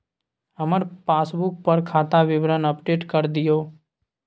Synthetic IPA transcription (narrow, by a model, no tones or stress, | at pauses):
ɦəməɾpaːsbʊk̚pəɾkʰaːt̪aʋɪʋɾənəpɖeːʈkəɾd̪ɪjoː